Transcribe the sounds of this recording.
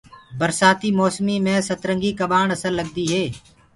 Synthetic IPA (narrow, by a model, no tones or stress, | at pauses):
bəɾsaːt̪iːmɔːsmiːmẽːsət̪ɾəŋɡiːkəɓaːɳəsəlːəɡ̚d̪iːɦeː